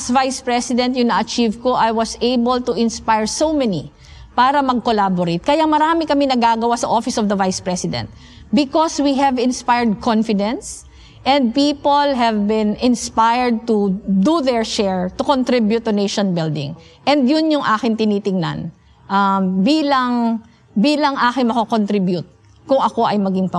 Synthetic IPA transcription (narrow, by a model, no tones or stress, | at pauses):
ɐsvajspɹɛsɪd̪ɛ̃nt̪jʊŋnɐʔɐt͡ʃivkoʔajwɐseɪbɐlt̪uʔɪ̃nspajɹsowmɛni | paːɾɐmɐɡ̚kolaboɾet̪̚kɐjaŋmɐɾaːmɪkɐmɪnɐɡaɡɐwasɐʔofɪsɔvd̪ɐvajspɹɛsɪd̪ɛ̰̃nt̪̚ | bɪkɔswiɦɛvɪnspajɹd̪̚kʰɔ̃nfɪd̪ɛ̃ns | ʔɛ̃nd̪̚piːpolɦɛvbɪ̃nɪnspajɹd̪̚t̪ud̪uðɛɹʃɛɹt̪ʊkont̪ɾibjʊt̪ːʊnejʃɔnbɪld̪ɪ̰̃ŋʔɛ̃nd̪jʊnjʊŋʔaːkɪŋt̪ɪniːt̪ɪŋna̰n | ʔɐbiːlɐŋ | biːlɐŋʔaːkɪŋmɐkokont̪ɾibjʊt̪̚ | kʊŋɐko̞ʔɐjmɐɡiŋpɐ